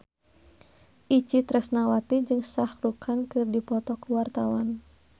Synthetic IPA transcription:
ʔit͡ʃit̪ɾəsnawat̪id͡ʒɨŋsahɾukʰankɨrdipɔt̪ɔkuwart̪awan

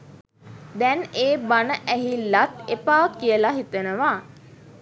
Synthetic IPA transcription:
d̪ɛneːbanəʔæɦilːat̪epaːkijəlaɦit̪ənəʋa

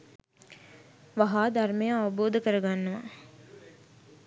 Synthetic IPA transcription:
ʋaɦaːd̪armejəːʋɐboːd̪əkəɾəɡanːɐʋa

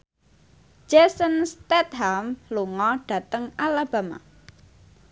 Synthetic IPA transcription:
d͡ʒɛsənst̪ɛt̪̚ɦamluŋɔɖ̥ä̤t̪əŋalaba̤ma̰

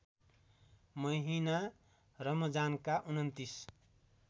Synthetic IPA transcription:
mʌɦina | rʌmʌd͡zankaʔunʌnt̪is

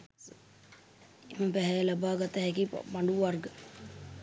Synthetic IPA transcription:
eməpæɦɛjlabaːɡat̪əɦɛkippaɳɖuʋarɡə

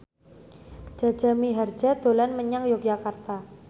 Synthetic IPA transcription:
d͡ʒ̥a̤̥d͡ʒ̥a̤miɦar̥d͡ʒa̤d̪̥o̤lanməɲaŋjokd͡ʒakart̪a

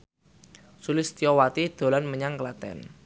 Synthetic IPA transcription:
sulɪst̪iɔwat̪id̪̥o̤lanməɲaŋkəlat̪ɛ̰n

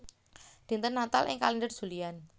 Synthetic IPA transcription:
d̪̥i̤nt̪ənːat̪alʔɪ̰ŋkalɛndərsulian

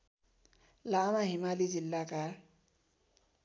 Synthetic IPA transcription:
lamaɦimalid͡zilːaka

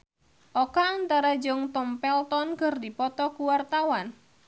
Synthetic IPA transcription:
ʔokɔant̪aɾad͡ʒɔŋt̪ɔmpɛlt̪ɔnkərdipɔt̪ɔkuwart̪awan

